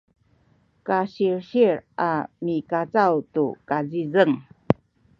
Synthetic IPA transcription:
kaɕiɹɕiɾʔa̰mikat͡sawtṵkazizəŋ

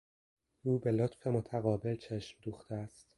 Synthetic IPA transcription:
uːbe̞lot̪fe̞mot̪ʰæɣɒːbe̞lt͡ʃʰeʃmd̪uːxt̪ʰeæst̪

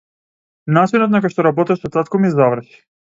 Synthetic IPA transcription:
nat͡ʃinɔt̪̬̚nakɔjʃt̪ɔɾabɔt̪aʃsɔt̪at̪kɔmizavr̩ʃi̥

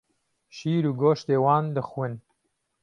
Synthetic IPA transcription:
ʃiːɾuɡoːʃt̪eːwɑːnd̪əxwən

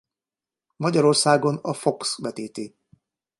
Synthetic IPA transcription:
mɒɟɒɾo̞rsaːɡo̞nɒfo̞ksbɛt̪eːt̪eː

